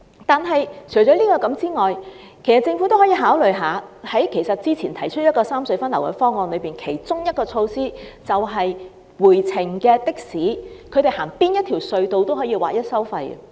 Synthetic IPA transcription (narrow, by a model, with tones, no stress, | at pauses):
t̪aː˨nɦɐ˨jt͡ʃʰɵ˨˩jt͡ʃɔː˨˥liː˥kɔː˧kɐ˨˥mt͡siː˥ŋɔː˨j | kʰe˨˩sɐ˨˩t͡sɪ˧ŋfu˨˥t̪o˥whɔː˨˥jiː˧ɦaː˨˥wlɵ˨ɥɦaː˨˧hɐ˨˥jkʰe˨˩jsɐ˨t̚t͡siː˥t͡sʰiː˨˩nt̪ʰɐ˨˩jt͡ʃʰɵ˥t̚jɐ˥tkɔː˧saː˥msɵ˨˧ɥfɐ˥nlɐ˨˩wkɛ̰˨˧˥fɔː˥ŋɔː˧nlɵ˨˧ɥpiː˨nkʰe˨˩jt͡sʊ˥ŋjɐ˥t̚kɔː˧t͡ʃʰo˧wsiː˥t͡sɐ˨wɦɐ˨j | wuː˨˩jt͡sʰɪ˨˩ŋkɛː˧t̪ɪ˥k̚siː˨˥kʰɵ˨˧t̪e˨jhaː˨˩ŋpiː˥njɐ˥t̪̚ʰiː˨˩wsɵ˧ɥt̪o˨˧wt̪o˥wɦɔː˨˥jiː˧wa̰ː˨˩jɐ˥t̚sɐ˥wfɐ˧jɐ̰˧˨